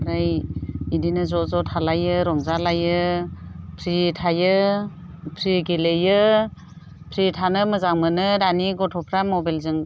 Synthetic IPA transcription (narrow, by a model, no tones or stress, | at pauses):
ɾajidinɯzɔzɔtʰalajɯɾɔŋzalajɯ | pʰɾitʰajɯ | pʰɾiɡelejɯ | pʰɾitʰanɯmɯzaŋmɯnɯɾaniɡɔtʰɔpʰɾamɔbalzɯŋ